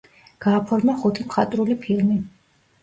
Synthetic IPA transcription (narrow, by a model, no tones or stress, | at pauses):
ɡ̥aːpʰɔɾmaχut̪ʰimχat̪ʼɾulipʰilˠmi